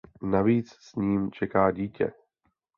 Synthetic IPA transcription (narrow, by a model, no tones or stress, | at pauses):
naviːt͡ssɲiːmt͡ʃɛkaːɟiːcɛ̰